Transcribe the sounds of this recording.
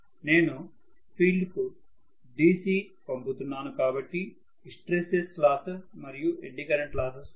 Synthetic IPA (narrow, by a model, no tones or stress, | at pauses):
ne̞ːnu | pʰiːɭɖku | ɖiːsiː | pɐmput̪unːaːnukaːbɐʈːi | sʈɾeseslaːsɐmɐɾijueɳɖikɐɾeɳʈlaːsɐs